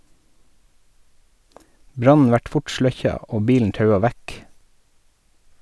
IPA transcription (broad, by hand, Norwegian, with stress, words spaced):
ˈbɾɑnn̩ ˈʋæʈ ˈfʊʈ ˈʃɭœçɑ ˈoː ˈbiːln̩ ˈtɑʉɑ ˈʋæk